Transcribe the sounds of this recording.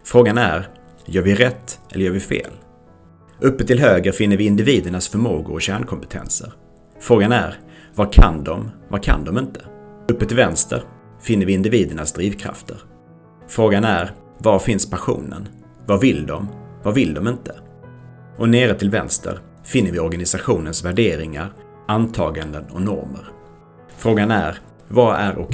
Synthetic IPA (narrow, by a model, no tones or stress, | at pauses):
fɾoːɡanæ̰ɾ | jœːɾvɪɾɛt̪ːɛlːəjœːɾvɪfḛːl | ʔɵpːət̪ʰɪlɦøːɡəɾfɪn̪ːəɾvɪɪnd̪ɪviːd̪əɳasfœɾmo̰ːɡʊ̰ɾɔɕæːɳkʰɔmpə̥t̪ʰɛ̰nsə̰ɾ | fɾoːɡanæ̰ɾvakʰa̰nd̪ɔmvakʰa̰nd̪ɔmɪnt̪ə̥ɵpːət̪ʰɪlvɛnst̪ʰə̰ɾ | fɪnːəɾvɪɪnd̪ɪviːd̪əɳasd̪ɾiːvkʰɾa̰ft̪ʰəɾ | fɾoːɡanæɾ | vaɾfɪnspʰaɧṵːnə̰n | vavɪld̪ɔmvavɪld̪ɔmɪnt̪ʰə | ʔɔneːɾət̪ʰɪlvɛ̰nst̪ʰə̰ɾ | fɪnːəɾvɪɔɾɡanɪsaɧuːnənsvæɖeːɾɪŋaɾ | ant̪ʰɑːɡand̪ənɔ̰nɔ̰ɾmə̰ɾ | fɾoːɡanæɾ | vaæɾʔɔ̰